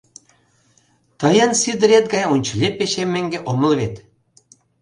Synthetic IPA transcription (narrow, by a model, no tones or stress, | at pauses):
t̪əjənsid̪ɾʲet̪̚ɡɑjunʲt͡ɕəlʲepːeɕemːeŋɡeʔomə̆lβet̪